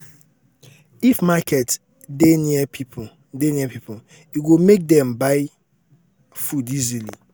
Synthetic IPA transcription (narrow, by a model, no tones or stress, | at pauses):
ifmakʰɛt | deniɛpʰipʰ | deniɛpipʰo | iɡomek̚dɛ̃mbaɪ | fudizilḭ